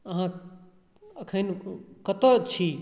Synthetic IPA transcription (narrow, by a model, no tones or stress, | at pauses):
əɦã | əkʰənkət̪ot͡ʃʰi